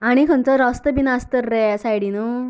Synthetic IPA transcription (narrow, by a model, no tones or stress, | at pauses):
aɽ̃ikʰənt͡sɔɾɔst̪əbinast̪əɾːɛasajɽinu